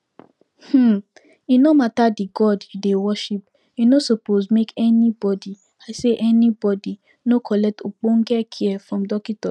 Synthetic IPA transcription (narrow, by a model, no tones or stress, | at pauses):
h̩ | inõmatadiɡɔdidewɔʃip | inosopozmekɛnĩbɔdi | aɪseʔɛnĩbɔdi | nokʰɔlɛk̚tok͡põŋ̩ɡɛkʰiɛfɾɔ̃mdɔkitɔ